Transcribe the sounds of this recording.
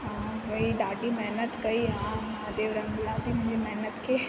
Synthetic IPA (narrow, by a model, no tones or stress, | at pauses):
ɦãʋoiɖaʈimɛɦnət̪kəiã | ɦad̪eʋɾəŋblãt̪im̤ə̃nd͡ʒemɛɦnət̪kʰe